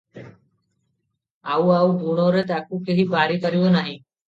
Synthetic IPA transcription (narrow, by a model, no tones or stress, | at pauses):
aːuːaːuːbʱuːɳoːɾeːt̪aːkuːkʰeːɦiːbaːɾiːkəɾɪjoːnaːɦĩː